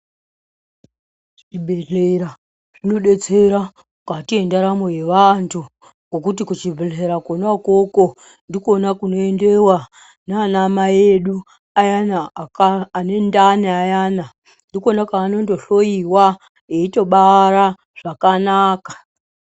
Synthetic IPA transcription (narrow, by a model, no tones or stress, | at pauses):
ʐʐibʱe̞ɮeɾa | ʐino̞ɗe̞t͡se̞ɾa | katie̞ndaɾamojeʋantʰu | kok̬utikut͡ʃivʱeɮeɾakonako̞ko̞ | ndiko̞nakuno̞ende̞wa | nanamaje̞ɗu | ajanakːne̞ndaneajaːna | ndikonakaːno̞ndo̞ɬo̞iwa | jeito̞ɓaɾa | ʐ̥akanaːkḁ